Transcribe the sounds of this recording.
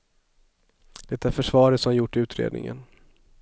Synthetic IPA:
d̪̥ɛt̪ːæɾfœʂvɑːɾət̪sɔmjʊʈːɪʉ̟ːt̪ɾḛːd̪nɪ̰ŋə̰n

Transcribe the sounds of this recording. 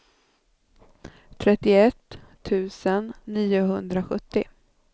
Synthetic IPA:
t̪ʰɾɛt̪ːɪɛt̪ʰː | ʉ̟ːsənːiːʊɦɵnd̪ɾaɧɵt̪ːɪ

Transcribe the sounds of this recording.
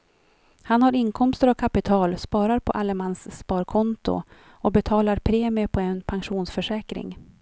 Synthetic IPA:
hanhaɾɪnkʰɔmst̪əɾakʰapɪt̪ʰɑːlspɑːɾaɾpʰɔ̰ʔalɛmansːpɑːɾkʰɔnt̪ʊ̰ | ɔbɛt̪ʰɑːlaɾpʰɾeːmɪəpʰɔɛnpʰanɧuːnsfœʂɛːkɾɪ̰ŋ

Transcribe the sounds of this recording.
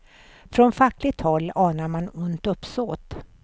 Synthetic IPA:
fɾɔnfakːlɪt̪ʰhɔlːɑːnaɾmanʊnt̪ɵpːsoːt̪

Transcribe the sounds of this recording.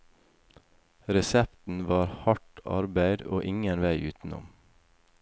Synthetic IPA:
ɾɛsɛpt̪n̩ʋɑːɾhɑʈɑ̰ɾbæɪd̪oːʔɪŋənʋæɪʔʉ̰ːt̪n̩ʊ̰m

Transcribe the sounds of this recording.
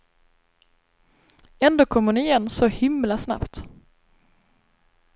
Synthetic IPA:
ɛnd̪oːkʰɔmːəɳɪjɛnːsɔhɪmlasna̰pt̪

